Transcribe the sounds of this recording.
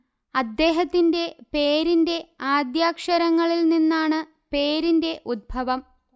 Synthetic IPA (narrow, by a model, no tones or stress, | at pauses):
ɐd̪ːe̞ːɦɐt̪ːinde̞pe̞ːɾinde̞aːd̪jaːkʂɐɾɐŋːɐɭilninːaːɳɨ | pe̞ːɾinde̞ʔud̪̚bʱɐʋɐm